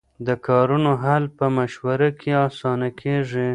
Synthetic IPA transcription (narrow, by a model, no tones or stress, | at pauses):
d̪əkɑɾunoɦalpəmaʃwaɾakʰeɑsɑnakʰeʐi